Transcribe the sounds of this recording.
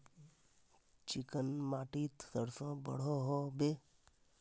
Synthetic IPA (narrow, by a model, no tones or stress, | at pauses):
t͡ʃɪkənmaːʈiːt̪səɾsõːbə̰ɽ̤oɦobe